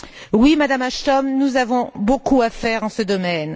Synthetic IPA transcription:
wimad̪amaʃt̪ɔmnuzavɔ̃bokuafɛʁɑ̃səd̪ɔmɛn

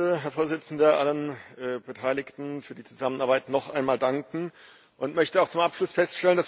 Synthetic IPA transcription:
əɦɛɐfoːɐzɪt͡sn̩dɐʔalənʔɛːbətʰaɪlɪçtn̩fyːɐdiːt͡suzamənʔaɐbaɪtnɔχʔaɪnmaːldaŋkŋ̩ | ʔʊntmœçtəaʊxt͡sʊmʔapʃlʊsfɛstʃtɛlənd̥as

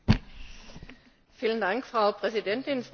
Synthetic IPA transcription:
fiːləndaŋkfʁ̥aʊpʁ̥ɛzidɛntɪnf

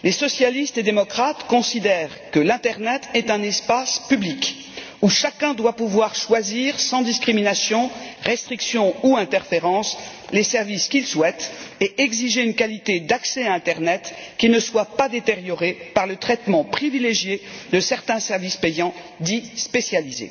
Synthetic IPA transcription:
lesɔsjalist̪ed̪emɔkχat̪kɔ̃sid̪ɛʁkəlɛ̃t̪ɛʁnɛt̪ɛt̪ɛ̃nɛspaspyblik | uʃakɛ̃d̪wapuvwaʁʃwaziʁsɑ̃d̪iskχiminasjɔ̃ʁɛst̪χiksjɔ̃uɛ̃t̪ɛʁfeʁɑ̃slesɛʁviskʲilswɛt̪eɛɡziʒeynkalit̪ed̪aksɛaɛ̃t̪ɛʁnɛt̪kʲinəswapad̪et̪eʁjɔʁepaʁlət̪χɛt̪mɑ̃pχivileʒjed̪əsɛʁt̪ɛ̃sɛʁvispejɑ̃ | d̪ispesjalizḛ

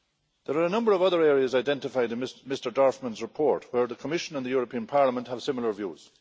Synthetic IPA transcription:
ðəɹaɹənʌ̃mbəɹʌvʌðə˞ɛːɹiəzaɪdɛ̃ntɪfaɪdɪ̃nɪmɪstə˞daɹfmə̃nzɹɪpʰɔɹtwə˞ðəkʰəmɪʃə̃nə̃nðəjɔːɹəpʰĩə̃npʰaɹləmə̃nʔhəv̥sɪməl̩ˠə˞vjṵːz̥

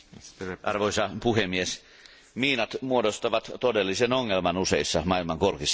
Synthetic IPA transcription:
ɑrʋoisɑpuhemies | miːnɑt̪muodost̪ɑʋɑt̪t̪odelːisenoŋːelmɑnuseisːɑmɑilmɑŋkorkisː

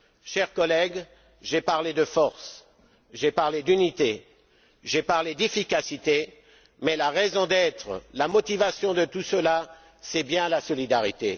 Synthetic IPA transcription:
ʃɛʁkɔlɛɡ | ʒepaʁled̪əfɔʁs | ʒepaʁled̪ynit̪e | ʒepaʁled̪efikasit̪e | mɛlaʁɛzɔ̃d̪ɛt̪χəlamɔt̪ivasjɔ̃d̪ət̪usəla | sɛbjɛ̃lasɔlid̪aʁit̪e

